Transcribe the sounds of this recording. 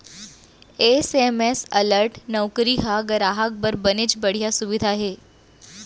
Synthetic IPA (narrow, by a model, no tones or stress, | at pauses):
esemesɐləɾʈnɔwkɾiɦaɡəɾaːɦak̚bəɾbənet͡ʃbɐɽ̤ijasuʋɪd̪ʱaɦeː